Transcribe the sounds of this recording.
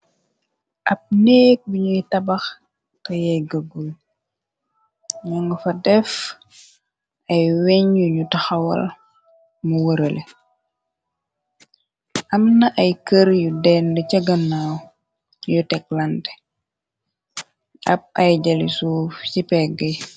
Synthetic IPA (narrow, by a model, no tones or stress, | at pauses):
ʔɐp̚nɛːk̚biɲutɐbɐx | tɐjɛɡəɡul | ɲɐŋɡɐfɐdɛf | ɐjwɛɲjuɲutɐxɐwɐ̰l | muwəɾɐlʔe | ʔɐmnɐʔɐjkəɾjudɛndɛcɐɡɐnːaw | jutɛk̚lɐntɛ̥ | ʔɐ̰p̚ɐjɟɐlisuːft͡ʃipɛɡɐj